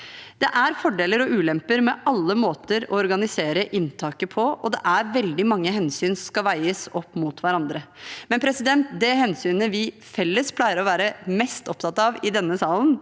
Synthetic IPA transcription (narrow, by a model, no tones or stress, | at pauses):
d̪̥ɛʔæɾfɔɖeːləɾɔʉːlɛmpəɾmɛʔɑlːəmoːt̪əɾɔ̰ɔɾɡɑnɪseːɾəʔɪnt̪ʰɑːkəpʰɔɔd̪ɛʔæɾʋɛld̪ɪmɑŋːəɦɛnsyːnsɔskɑʋæɪəsɔpːmut̪ʰʋæɾɑnd̪ɾəmɛnpʰɾɛsɪd̪ɛnt̪d̪ɛɦɛnsyːnəʋɪ | fɛlːəspʰlæɪəɾɔʋæːɾəmɛst̪ɔp̚t̪ʰɑt̪ɑʋɪd̪ɛnːəsɑːlən